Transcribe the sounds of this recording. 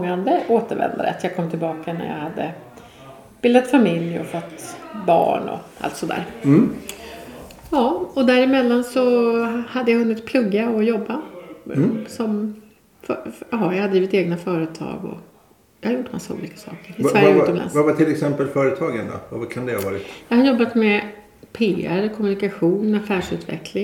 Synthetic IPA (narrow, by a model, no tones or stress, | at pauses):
ŋand̪əʔoːt̪əɾvɛ̰nd̪a̰ɾə̰t̪jɑɡkʰɔmt̪ʰɪlbɑːkanæ̰ɾja̰had̪ːə̰ | b̥ɪld̪ət̪famɪljɔ̰fɔt̪ːbɑ̰ːɳɔ̰ʔa̰lt̪sɔd̪æ̰ːɾ | jɑːɔd̪æɾɪmɛlːansɔhad̪ːəjaɦɵnːɪt̪̚pʰlɵɡːaɔjɔbːa | sɔm | fjɑɑjajhad̪ːɾiːvɪt̪eːɡnafœːɾət̪ʰɑ̰ːɡɔ̰ | jɑhaɾjʊʈːma̰sːaṵːliːkḁsɑ̰ːkəɾɪsvæɾjəʉɔmla̰nsvavaʈʰɪlɛksɛmpəlfœːɾət̪ʰɑːɡənd̪ɔ̰vavakʰand̪ɛhavɑːɾɪt̪jɑːhadjɔbːat̪mɛ | pʰeːæɾkʰɔmɵnɪkaɧuːnafæːʂʉ̟ːt̪vɛ̰kʰlɪŋ